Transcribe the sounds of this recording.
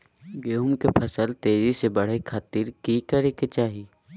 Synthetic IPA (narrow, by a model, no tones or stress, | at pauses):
ɡeumkepʰɐsəlt̪eːzisebɐɽ̤ekʰaːt̪iɾkikəɾeːket͡ʃaːɦiː